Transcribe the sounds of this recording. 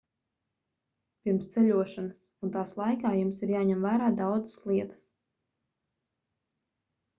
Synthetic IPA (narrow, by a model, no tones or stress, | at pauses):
pʲiɾmst̪sɛʎʲuɔʃanasunt̪aːslˠajkaːjumsiɾjaːɲɛmvæːɾaːd̪awd̪zə̥slˠiɛt̪ə̥s